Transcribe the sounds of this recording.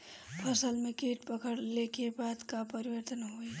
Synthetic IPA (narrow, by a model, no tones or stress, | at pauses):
pʰəsəlmẽkeʈpəkəɽlekebaːd̪kapəɾiwəɾt̪ənɦoe